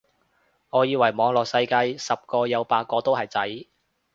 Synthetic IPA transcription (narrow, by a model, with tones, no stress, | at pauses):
ŋɔː˨˧jiː˧wɐ˨˩jmɔː˨˧ŋlɔː˨k̚sɐ˧jkɐ˧jsɐ˨p̚kɔː˧jɐ˨˧wpaː˧t̚kːɔː˧t̪o˥whɐ˨jt͡sɐ˨˥j